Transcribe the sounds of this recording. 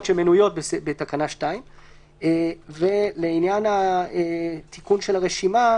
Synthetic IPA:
tʃemenujo̞t̪̚besebet̪akanaʃtaim | ve̞leinjanaet̪ikunʃelaʁeʃima

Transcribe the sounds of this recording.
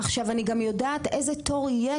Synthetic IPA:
aχʃavaniɡamjo̞daːtezeto̞ʁje

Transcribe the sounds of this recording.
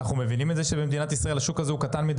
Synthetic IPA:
aχnumevinimet̪zeʃe̞bemd̪inat̪isʁaelhaʃukazeukat̪anmid̪

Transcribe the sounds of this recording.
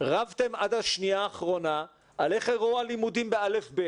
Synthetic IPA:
ʁavt̪e̞mʔad̪haʃniaːχʁo̞na | aleχeʁoalimudimbeale̞fbe

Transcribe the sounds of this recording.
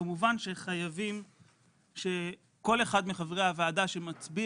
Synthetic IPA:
amuvanʃe̞χajavim | ʃe̞ | ko̞le̞χad̪miχavʁehavaːd̪aʃemat͡sbi

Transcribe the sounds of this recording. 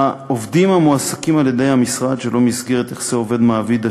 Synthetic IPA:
aovd̪imamuasakimalje̞d̪e̞jhamisʁad̪ʃelo̞misɡeʁet̪e̞χz̥eo̞ve̞d̪maːvid̪a

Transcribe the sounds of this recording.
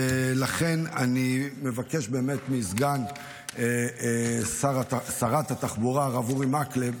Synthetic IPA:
laχe̞nanime̞vake̞ʃbe̞ːme̞t̪mizɡan | e | saʁasaʁat̪hat̪aχbuʁaʁavuʁimakle

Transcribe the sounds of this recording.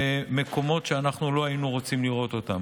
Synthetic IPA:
me̞ko̞mo̞t̪ʃeanaχnulo̞ainuʁo̞t͡simliʁo̞t̪o̞t̪am

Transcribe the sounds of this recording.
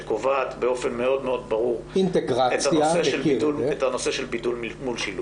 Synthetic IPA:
ekovaːt̪beo̞fe̞nme̞o̞d̪meo̞d̪̚baʁuʁint̪eɡʁaetajaseʃelidulet̪ano̞seʃelbidulmmulʃilu

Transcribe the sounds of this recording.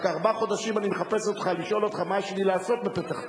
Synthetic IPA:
kaʁbaχo̞d̪aʃimanimeχape̞sot̪χaliʃo̞lo̞t̪χamaʃelilaːso̞t̪̚bepet̪aχ

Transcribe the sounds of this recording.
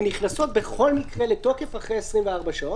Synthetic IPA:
niχnaso̞t̪̚be̞χo̞lmikʁe̞leto̞ke̞faχʁejesʁimveaʁbaʃao

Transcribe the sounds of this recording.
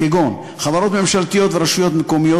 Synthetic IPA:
eɡon | χavaɾo̞t̪me̞mʃalt̪ijo̞t̪veɾaʃujo̞t̪mekomijo

